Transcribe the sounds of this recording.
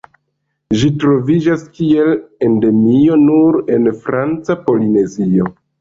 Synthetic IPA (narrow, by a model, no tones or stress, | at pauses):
ʒitɾo̞vid͡ʒaskie̞le̞nde̞mio̞nuɾe̞nfɾant͡sapo̞line̞zio̞